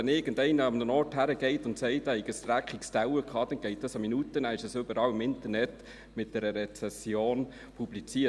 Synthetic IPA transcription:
ɛnɪːɡən̩dɛɪnəɑmnənɔrthæɾəɡ̥ɛɪtʊntsɛɪtːhɛɪkəst̪ɾækχikstæwəkʰɑːd̥ɛnɡ̥ɛɪt̚d̥ɑsɑminutənæːɪʃəsøbəɾɑːwɪmɪntəɾnɛt | mɪt̚d̥ɛɾəɾɛt͡sɛsjoːn | pʰublit͡siːə

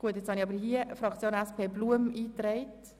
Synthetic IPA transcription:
ɡ̥uətet͡shɑniɑbəɾɦiəfɾɑkt͡sjoːnæspʰeːbluəmiːtɾɛɪt

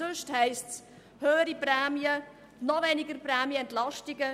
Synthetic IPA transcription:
øʃthɛɪsts | høːəɾipɾɛːmjə | nɔvɛnɪɡəɾprɛːmjəɛntlaʃtɪɡə

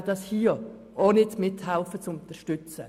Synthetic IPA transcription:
dɑshiːə | onɪtmɪthaʊfət͡sʊntəɾʃtʏt͡sə

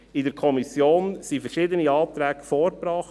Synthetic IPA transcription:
ɪdəɾkʰɔmisjoːnsifɛɾʃɪːd̪əniɑːt̪ɾɛːɡfɔːɾbɾɑχ

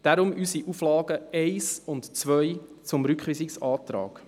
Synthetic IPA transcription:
d̥aɾʊmʔysiʔuflɑːɡ̥əɛɪsʊntt͡svœjt͡sʊmɾʏkχisɪksɑːtɾɑ̰ːɡ̥

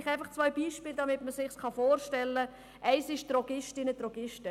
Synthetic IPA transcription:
χæɪfɑχt͡sʋœʏbiːʃpiːld̪ɑmɪtməsɪχskɑfoːɾʃtɛlːə | ʔɛɪsɪʃt̪ɾɔɡɪʃtɪnət̪rɔɡ̥ɪʃtə

